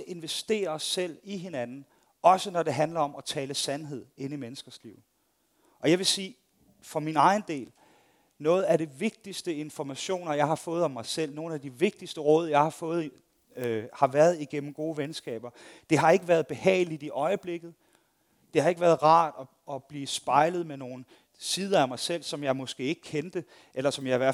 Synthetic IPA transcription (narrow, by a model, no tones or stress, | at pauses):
ʔe̝nʋesd̥e̝̰ːɐɒsel̰iɦe̝nænn̩ | ɒ̽sənɒ̽ɾe̝ɦænlɐɒ̽mɒ̽t͡sʰɛːləsænɦe̝ð̞̰ˠe̝nimenəsɡ̥ɐslḭʊ̰ | ʔɒ̽jɑ̈ɪʋe̝siː | fɒminɑ̈ɪnd̥e̝̰ːl | nɔ̽ːð̩ˠæɾiʋe̝ɡ̥̚d̥isd̥əe̝nfɒmæɕo̝̰ːnɐjɑ̈ɪɦɑ̈fɔ̽ːð̞̩ˠɒ̽mːɑ̈ɪsel̰no̝ːn̩æd̥iʋe̝ɡ̥̚d̥isd̥əʁɔ̽ːð̰ˠjɑ̈ɪhɑ̈fɔ̽ːð̞̩ˠ | hɑ̈ʋæɐð̞̩ˠiɡ̥en̰m̩ɡ̥o̝ːʋensɡ̥ɛ̰ːb̥ɐd̥e̝ɦɑ̈e̝ɡ̥əʋæɐð̞̩ˠb̥e̝hɛ̰ːɪlid̥iʔɒ̽ɪəb̥le̝ɡ̥ð̞̩ˠ | d̥e̝hɑ̈e̝ɡ̥əʋæːɐðˠʁɑ̰̈ːd̥ɒ̽ | ɒ̽b̥liːsb̥ɑ̈ɪləð̞̩ˠmeno̝ːn̩ | siːð̞ˠɐæmɑ̈ɪsel̰sɒ̽mjɑ̈ɪmɒ̽sɡ̥e̝̰ːe̝ɡ̥əkʰend̥ə | ʔelɐsɒ̽mjɑ̈iʋæɐ̰